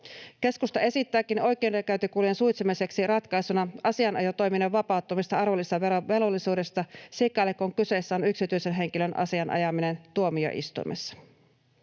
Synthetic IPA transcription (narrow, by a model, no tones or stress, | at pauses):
ke̞skust̪ɑe̞sit̪ːæːkino̞jk̟ˑeːnrekæyt̪ykuːlijensujt̪semise̞ksirɑt̪kɑjsunɑɑsiɑnʔɑ̰jot̪o̞jmineʋʋɑpɑˑut̪ːomist̪ɑɑrʋo̞lːist̪ɑʋeoʋe̞lo̞lːisuːde̞st̪ɑsekːˑɑːlekːoŋkyse̞ːsːæonyksit̪yjse̞nɦe̞ŋkilønʔɑ̰siɑnʔɑ̰jɑmine̞nt̪uo̞mio̰ʔḭst̪ṵimḛsːɑ̥